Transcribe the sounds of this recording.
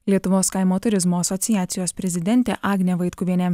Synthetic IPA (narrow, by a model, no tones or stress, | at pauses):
lʲiɛt̪ʊʋoːskɑɪmoːt̪ʊɾʲɪzmoːɐsɔt̪sʲɪjæːt̪sʲɪjoːspʲɾʲɛzʲɪd̪ʲɛnʲt̪ʲḛːʔɑːɡnʲeʋɐɪt̪kʊʋʲiɛnʲɛ